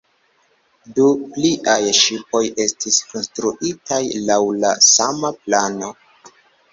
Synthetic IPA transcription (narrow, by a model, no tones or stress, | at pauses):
dupliʔajʃipo̞je̞stisko̞nstɾuʔitajlawlasamaplano̞